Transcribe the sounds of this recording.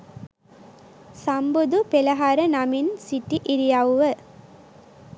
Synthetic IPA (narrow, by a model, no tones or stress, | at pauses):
sambud̪upelɐɦaɾənaminsiʈiʔiɾijawʋə